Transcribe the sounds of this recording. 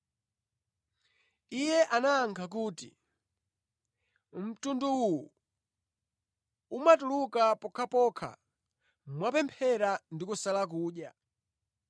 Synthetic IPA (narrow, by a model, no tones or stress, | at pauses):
ijɛʔanaːŋkʰak̬uːtḭ | m̩tunduuwu | umatulukapɔkʰapɔkʰa̰ | mwapɛmpʰɛɾandikusalak̬uːɗja